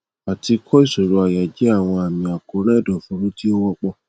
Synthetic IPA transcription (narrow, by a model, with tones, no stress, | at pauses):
a˨ti˧kʰɔ˦i˦˨so˨ɾo˨˧a˨ja˨d͡ʒɛ˨˦a˦˨w̃ɔ̃˧a˨mĩ˨a˨ko˨˦ɾ̃ɛ̃˦˨dɔ˨fu˨˦ɾu˦ti˦o˦wɔ˦k͡pɔ˦